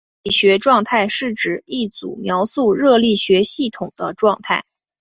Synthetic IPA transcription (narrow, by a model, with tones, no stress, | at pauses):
i˥˩ɕɥɛ˧˥ʈ͡ʂwɑ˥˧ŋt̪ʰa˥˧ɪʂɻ̩˥˩ʈ͡ʂɻ̩˨˩i˥˩t͡sṵ˨˩mjɑ˧˥ʊsu˥˧ɻɤ˥˧li˥˩ɕɥɛ˧˥ɕi˥˩t̪ʰʊ˨˩ŋd̪ə˦ʈ͡ʂwɑ˥˧ŋt̪ʰa˥˩ɪ